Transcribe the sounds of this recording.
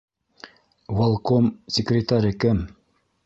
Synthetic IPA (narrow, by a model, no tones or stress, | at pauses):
walˠkomsʲɪkrʲɪt̪aɾʲɘkɘm